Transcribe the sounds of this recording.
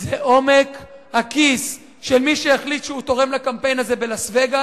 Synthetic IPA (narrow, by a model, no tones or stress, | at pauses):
zeʔo̞me̞khakis | ʃelmiʃejaχlit̪ʃeut̪o̞ʁe̞mlakampe̞jnaze̞belasve̞ɡa